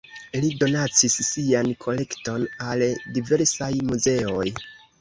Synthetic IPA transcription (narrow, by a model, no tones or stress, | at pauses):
lido̞nat͡sisːiankʰo̞le̞kto̞naldive̞ɾsajmuze̞o̞j